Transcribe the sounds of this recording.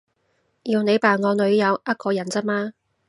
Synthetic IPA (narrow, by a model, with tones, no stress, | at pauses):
jiː˧wne˨˧jpaː˨˩nŋɔː˨˧nɵ˨˧ɥjɐ˨˧wɐ˥t̚kɔː˨˧jɐ˨˩nt͡sɐ˥t̚maː˥